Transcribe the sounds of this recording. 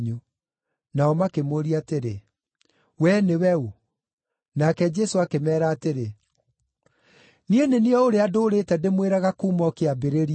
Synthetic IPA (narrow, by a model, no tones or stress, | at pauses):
ɲu | naɔmakemoɾiateɾe | wɛnewɛu | nakɛd͡ʒɛsoakemɛːɾaːteɾe | nieneniɔoɾeadoːɾeːtɛndemweɾaɣakuːmɔkeabeɾeɾi